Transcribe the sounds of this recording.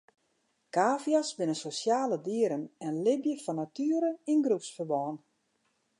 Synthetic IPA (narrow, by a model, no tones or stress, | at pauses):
kaːfjasbɪnəsosjaːlədiəɾənɛnlɪbjəfɔnatyːəɾəinɡrupsfərʋɔːn